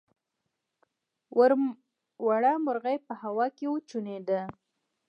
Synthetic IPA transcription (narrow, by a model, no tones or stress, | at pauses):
waɾ | waɽamʊɾɣajpəhawɑkewot͡ʃuned̪ə